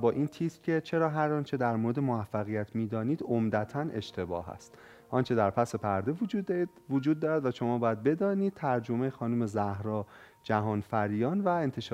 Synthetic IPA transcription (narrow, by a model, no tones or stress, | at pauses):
bɒːʔiːnt̪ʰiːscʰe̞t͡ʃʰe̞ɾɒːɦæɾɒːnt͡ʃʰe̞d̪æɾmoːɾe̞d̪e̞moæfːæɣijæt̪ʰmiːd̪ɒːniːd̪omd̪æt̪ʰænʔe̞ʃt̪ʰe̞bɒ̰ːɦæ̰st̪ | ʔɒːnt͡ʃʰe̞d̪æɾpʰæse̞pʰæɾd̪evod͡ʒuːd̪ː | vod͡ʒuːd̪̚ːɒːɾæd̪væʃo̞mɒːbɒːjæd̪̚be̞d̪ɒːniːd̪̥̚t̪ʰæɾd͡ʒo̞mejxɒːnume̞zæhɾɒːd͡ʒæɦɒːnfæɾijɒːnvæe̞nt̪ʰe̞ʃ